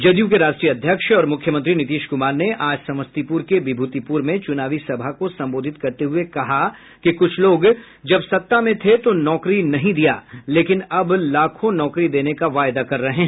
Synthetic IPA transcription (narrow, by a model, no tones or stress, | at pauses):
d͡ʒɐd̪jũkeɾaːʃʈɾijəɐd̪ʱjəkʃɔːɾmʊkʰjəmɐ̃nt̪̬ɾinɪt̪iːʃkʊmaːɾneʔaːd͡ʒsɐ̃məst̪ipuːɾkebɪbʱuːt̪ipuːɾmẽt͡ʃʊnaːʋisɐbʱakosɐ̃mboːd̪ʱɪt̪kɐɾt̪eɦuekɐɦa | kikʊt͡ʃʰloːɡ | d͡ʒɐbsɐt̪ːamẽt̪ʰet̪onɔːkɾinɐɦĩd̪ija̰ːleːkɪnɐblaːkʰõnɔːkɾid̪eːnekaʋaːjd̪akɐɾːɐɦẽɦ